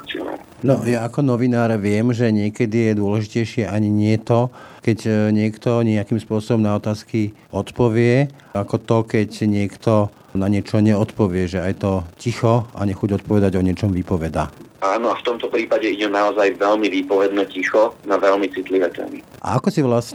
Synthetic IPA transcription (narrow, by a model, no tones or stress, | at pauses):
t͡siɔ̰na̰ | nɔjaakɔnɔʋinaːɾʋɪɛmʒɛɲɪɛkɛd̪ijɛd̪ʊɔlɛʒicɛjʃɪɛʔaɲiɲɪɛt̪ɔkɛɟɲɪɛkt̪ɔɲɪɛakiːmspʊɔsɔbɔmnaɔt̪aːski | ɔt̪pɔʋɪɛ | akɔt̪ɔkɛcɲɪɛkt̪ɔ | naɲɪɛt͡ʃɔɲɛɔt̪pɔʋɪɛʒɛajt̪ɔcixɔa̰ɲɛxuɟɔt̪̚pɔʋɛd̪aɟɔɲɪɛt͡ʃɔmʋipɔʋɛd̪a̰ːaːnɔaft̪ɔmt̪ɔpɾiːpaɟɛiɟɛnaɔzajʋɛlmiʋiːpɔʋɛd̪nɛcixɔnaʋɛlmit͡sit̪liʋɛːt̪ɛ̰ːmḭ | ʔa̰akɔsiʋlas